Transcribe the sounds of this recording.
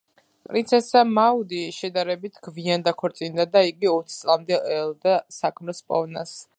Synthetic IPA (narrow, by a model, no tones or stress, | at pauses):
pʼɾint̪sʰɛsamaud̪iʃɛd̪aɾɛbit̪ʰɡ̥viand̪akʰɔɾt̪sʼind̪ad̪aiɡiɔt̪ʰt̪sʼlˠamd̪ɛɛlˠd̪asakʰmlɛspʼɔ̰vna̰s